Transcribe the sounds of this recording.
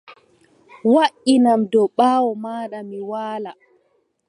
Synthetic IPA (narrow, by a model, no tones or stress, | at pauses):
waʔinamdɔɓaːwɔmaːɗamiwaːla